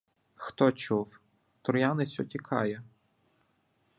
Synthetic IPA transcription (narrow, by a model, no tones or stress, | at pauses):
xt̪ɔt͡ʃuw | t̪ʊɾjanɪt͡sʲʊtʲikʰɑjɛ